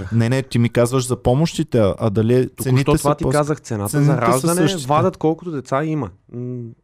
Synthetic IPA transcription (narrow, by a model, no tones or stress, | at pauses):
nɛnɛt̪imikazvəʃzɐpɔmoʃt̪it̪ɛɐʔɐd̪ɐliɛt̪t̪oɛnit̪ɔtɛvat̪ikazəxt̪sɛnat̪ɛnɐiɾaɛʒɐsnɛəʃt̪ivad̪ət̪kɔlˠkʊt̪od̪ɛt̪saimɐ